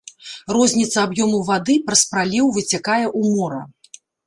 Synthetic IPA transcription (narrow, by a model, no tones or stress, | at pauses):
rɔzʲnʲit̪sɐabjɔmuwvad̪ɨpɾɐspɾalʲɛwvɨt͡sʲakajɛʔumɔɾɐ